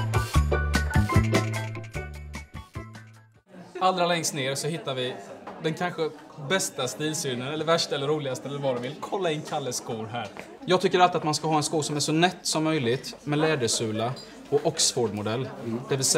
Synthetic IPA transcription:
ald̪ɾalɛŋst̪neːɾsɔɦɪt̪ːaɾvɪd̪ɛnkʰanɧəbɛst̪ast̪əiːsyːnənɛlːəɾvæʂʈaɛlːəɾuːlɪɡast̪əɛlːəɾvɑːd̪ɔmvɪlkʰɔlːaɪnkʰalːəskuːɾɦæːɾ | jɑːɡ̚t̪ʰʏkːəɾalt̪ɪat̪manskaɦɑːɛnskuːʂɔmæʂɔnɛt̪ːsɔmːœjlɪt̪mɛlɛːd̪əʂʉ̟ːla | ɔʔɔksfoːɖmʊd̪ɛlːd̪̥ɛvɪlsɛ

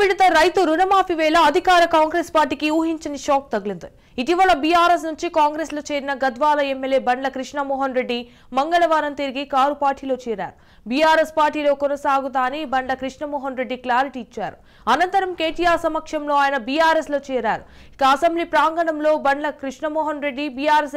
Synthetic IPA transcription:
ʋiɽit̪ɐɾɐjt̪uɾunɐmaːpiʋɛːlɐɐd̪ʱikaːɾɐkaːŋɡɾeːspaːɾʈiːkiuːɦiɲt͡ʃɐniʃɔːk̚t̪ɐɡɐlind̪i | iʈiʋɐɭɐbijaːɾeːs̬nuɲt͡ʃikaːŋɡɾeːsloːt͡ʃe̞ːɾinɐɡɐd̪ʋaːlɐemːeljeːbɐɳɖlɐkɾiʂɳɐmɔːɦɐnɾe̞ɖːi | mɐŋɡɐɭɐʋaːɾɐnt̪iɾiɡikaːɾupaːɾʈiːlo̞ːt͡ʃɛːɾa̰ːɾu | bijaːɾespaːɾʈiːlo̞ːkɔnɐsaːɡut̪aːnibɐɳlɐkɾiʂɳɐmɔːɦɐnɾe̞ɖːiklaːɾiʈiːt͡ʃːa̰ːɾu | ɐnɐnt̪ɐɾɐmke̞ːʈijaːɾsɐmɐkʂɐmlo̞ːaːjɐnɐbijaːɾeslo̞ːt͡ʃɛːɾaːɾu | i̥kɐːsɐmblipɾaːŋɡɐɳɐmlo̞ːbɐɳɖlɐkɾiʂɳɐmɔːɦɐnɾe̞ɖːibijaːɾes

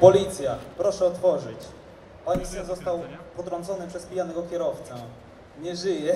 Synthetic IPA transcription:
pɔlʲit̪sʲjapɾɔʂɛɔt̪fɔʐɘt͡ɕ | ɔɲisɛnzɔst̪awpɔt̪ɾɔ̃nzɔnɘpʂɛspʲijanɛɡɔkʲɛɾɔft̪sɛ | ɲɛʐɘjɛ

